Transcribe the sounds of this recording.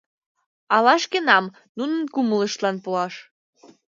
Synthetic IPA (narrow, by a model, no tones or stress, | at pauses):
ɑlɑʃkənɑm | nunənkumələʃt̪lɑnpoɑʃ